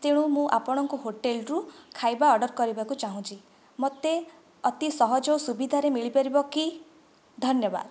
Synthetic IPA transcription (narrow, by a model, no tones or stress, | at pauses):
t̪eɽ̃umũʔa̰pɔɽ̃ɔŋkuɦoʈelɾukʰajbaɔɖɔɾkɔɾibakut͡ʃaɦũt͡ʃʰi | mot̪e | ɔt̪isɔɦɔd͡ʒɔwsubid̪ʱaɾemiɭipaɾibɔki | d̪ʱɔnjɔba̰d̪